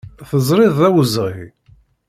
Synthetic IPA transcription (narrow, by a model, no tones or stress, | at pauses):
θəzˤɾˤɪðˤæwəzʁi